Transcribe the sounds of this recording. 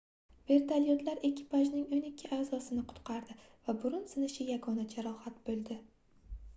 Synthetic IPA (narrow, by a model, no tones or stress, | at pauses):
ve̞ɾt̪ʰaljot̪laɾe̞kʲʰɪ̥pʰaʒnɪŋonɪkʲʰːɪʔaːzɒsɪnɪqʰʊ̥t̪qʰɑɾd̪ɪvabʊɾʊnsɪnɪʃɪjaɡɒnad͡ʒʰaɾɒhat̪̚bolˠd̪ɪ